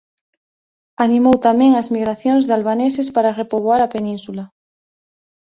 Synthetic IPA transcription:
anĩmowt̪amẽŋazmiɣɾaθjoŋzðalβanesespaɾarepoβ̞oaɾapenĩnsula

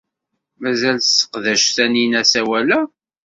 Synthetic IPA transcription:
mæzælθsə̥qðæʃθæninæsæwælæ

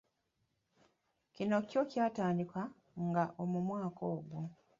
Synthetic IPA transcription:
cino̞co̞caːtaːndika | ŋɡaʔo̞mumwaːkʰoːɡwu

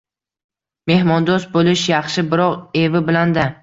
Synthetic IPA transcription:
me̞hmɒnd̪osbolɪʃjɑχʃɪbɪɾɒʁe̞vɪbɪland̪a

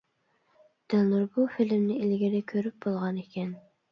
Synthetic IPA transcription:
d̪̥ælnuɾbufilɪmnɪilɡʲiɾɪkʲʰøɾyp̚b̥olˠʁɑnekʲʰɛn

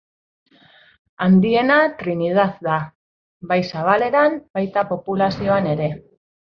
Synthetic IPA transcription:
and̪ie̞nat̪ɾinið̞aðd̪a | βajsaβ̞ale̞ɾamb̥ajt̪apo̞pulasio̞ane̞ɾe̞

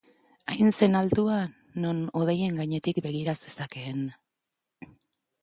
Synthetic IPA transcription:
ajnse̞nalt̪ua | no̞no̞ð̞eje̞ŋɡaɲe̞t̪ikbe̞ɣ̞iɾase̞sake̞ːn

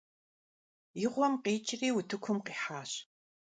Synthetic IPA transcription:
jɪʁʷɔmqiːt͡ʃʼɪriːwʊtʰɨkʷʰʊmqiːħaːɕ

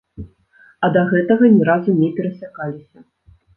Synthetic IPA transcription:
ɐd̪ɐɣɛt̪ɐɣɐnʲɛɾazunʲɛpʲɛɾɐsʲakalʲisʲɐ

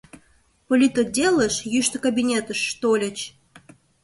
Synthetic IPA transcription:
polʲyt̪odʲeləʃjyʃt̪ə̆kɐbʲinʲet̪əʃːt̪olʲə̆t͡ɕ

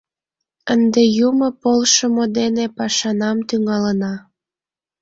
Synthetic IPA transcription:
ənd̪ejuməpolʃəmod̪enepɑʃɑnɑmt̪yŋɑlənɑ

